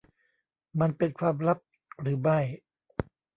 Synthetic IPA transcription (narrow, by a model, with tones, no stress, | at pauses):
ma˧npe˧nkʰwaː˧mɾa˦˥p̚ | ɾɯː˩˦ba˥˩j